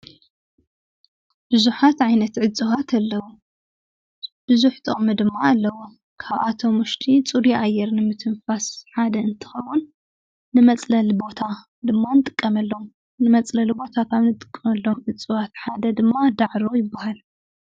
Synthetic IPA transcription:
b̥ɨzuħat̪ʕajnɐt̪ʕɨt͡sʼɨwat̪ʰɐlːɐwu | b̥ɨzuħt̪ʼomɨd̪ɨmːaːlːɐwo | kʰaβʔat̪ʰo̞mʊʃt̪ʰit͡sʼuɾiʔajːɛɾnɨmɨt̪ʰɨnfasħad̪ɐɨnt̪ʰɨ̥xɐwːunː | ɨmɐt͡sʼlɐlbo̞t̪ʰa | d̪ɨmːanɨt̪ʼɨkʼːɐmɐlːo̞m | nɨmɐt͡sʼlɐlbo̞t̪ʰakʰaβnɨt̪ʼɨ̥kʼːɐmɐlːo̞mʕɨt͡sʼːɨwat̪ħad̪ɐd̪ɨmːad̪aʕɾojɪbːahal

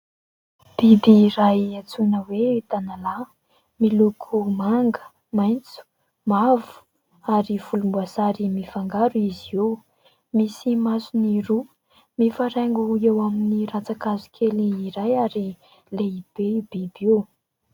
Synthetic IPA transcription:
b̥id̪iːrajat͡sunəwet̪anala | milukʰumaŋɡə̥ | majnt͡su̥ | mavu̥ | aɾiv̥ulumbuasaɾimifaŋɡaɾuiziew | misimasuniɾu | mefaɾeŋɡuewaminirat͡sakazu̥kʰeliiɾajaɾi | leib̥ebid̪ew

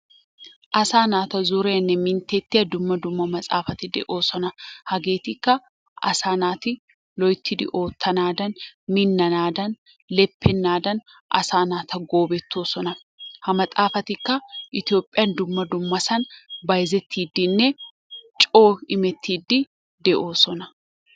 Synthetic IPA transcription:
ʔɐsaːnaːt̪ɐzʊɾeːnːɛmɪnt̪eːt̪ːɪɐd̪ʊmːɐd̪ʊmːɐmɐt͡sʼa̰ːfɐt̪ɪd̪ɛ̰ʔoːsɔnɐhɐɡe̞ːt̪ɪkːɐ | ʔɐ̰saːnaːt̪ɪ | lɔjt̪ʰːɪd̪ɪ̰ʔo̞ːt̪ʰːɐnaːd̪ɐnmɪnːɐnaːd̪ɐn | lɛpʰːɛnːaːd̪ɐn | ʔɐ̰saːnaːt̪ɐɡo̞ːbɛt̪ʰːoːsɔnɐ | hɐmɐtʼaːfɐt̪ɪkːɐʔɪt̪ɪjo̞ːpʼːɪjɐnd̪ʊmːɐd̪ʊmːɐsɐnbɐjzɛt̪ʰːiːd̪ːɪnːɛ | t͡ʃʼo̞ːɪmɛt̪ʰːiːd̪ːɪ | d̪ɛʔoːsɔnɐ

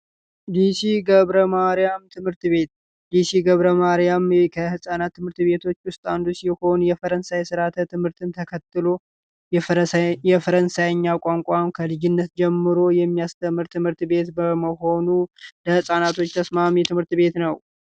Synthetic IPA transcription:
d̪isiɡəβɾəmaɾijamt̪ʰɨmhɨɾt̪βe̞t̪̚ | d̪isiɡəβɾəmaɾjamkʰəhɨsʼanat̪ʰːɨmhɨɾt̪βe̞t̪ʰo̞t͡ʃːwʊst̪ʼand̪usiho̞njɛfəɾənsajsɨɾat̪ʰət̪ɨmhɨɾt̪ʰɨnt̪ʰəkʰət̪ːɨlo̞ | jɛfəɾənsajəɲːakʷʼaŋkʷʼamkʰəlɨd͡ʒɪnːət̪d͡ʒɛmːɨɾo̞jɛmːijast̪ʰəmɨɾt̪ʰːɨmhɨɾt̪be̞t̪bəməho̞nuləhɨsʼanat̪ʰo̞t͡ʃːt̪ʰəsmamit̪ʰɨmhɨɾt̪be̞t̪nəw

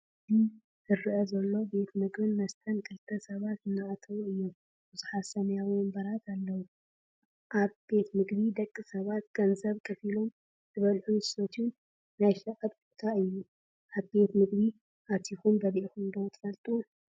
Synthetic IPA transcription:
d̪i | zɨɾɨʔɐzɐlːo̞be̞t̪mɨɡbɨnmɐst̪ʰɐnkʰɨlt̪ʰɐsɐβat̪ɨnːɨʔat̪ʰɐβuɨjːu | bɨzuħasɐmjaβumɐmbɐɾat̪ʰalːɐwu | ʔaβbe̞t̪mɨɡbid̪ɐkʼːɨsɐβat̪ɡ̥ɐnzɐβkʰɐfilo̞m | zɨβɐlħunzɨsot̪ʰn | najʃɐʔɐtut̪ʰaɨjːu | ʔaβbe̞t̪mɨɡbi | ʔat̪ʰixumbɐdʔixund̪owt̪ʰɨ̥fɐlt̪ʼuu

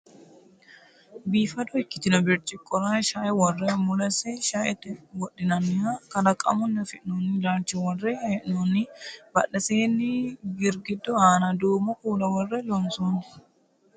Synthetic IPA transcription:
biːfɐd̪ɔɪkːɪ̥t̪ɪnɔbɪɾt͡ʃːɪkʼɔɾaːʃaːʔɛwɔrːɛmʊlɐsɛʃaːʔɛt̪ːɪwɔɗːɪnɐnːɪaːkɐdɐkʼɐ̰mɔnːɐfɪʔnonːɪlaːnt͡ʃːɛwɔrːeːɛʔnɔnːɪbɐɗːɐseːnːɪɡɪɾɡɪd̪ːɔaːnɐd̪uːmɔkuːlɐwɔrːɛlɔnsuːnɪ̥

